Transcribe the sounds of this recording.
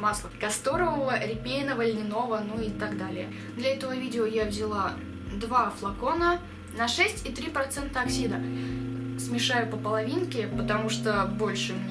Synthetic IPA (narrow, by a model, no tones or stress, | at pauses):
maslˠəkɐst̪o̞ɾəvəvəɾʲɪpʲejnəvəlʲnʲɪno̞vənuɪt̪aɡd̪alʲɪjə | d̪lʲɐɛt̪əvəvʲidʲɪojavzʲɪlˠa | d̪vaflˠɐko̞nə | nɐʂɛsʲtʲit̪ɾʲipɾɐt̪sɛnt̪əɐksʲid̪ə | smʲɪʂajʊpəpəlˠɐvʲinkʲɪpət̪ɐmuʂt̪obo̞lʲʂɨ